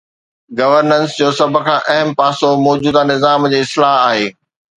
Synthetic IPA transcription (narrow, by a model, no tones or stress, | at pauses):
ɡɐʋəɾnənsd͡ʑoːsɐbʱʊ̆kʰãːʔɐɦəmpaːsomɔːd͡ʑuːd̪anɪzaːmd͡ʑeːɪslaːɦaːɦeː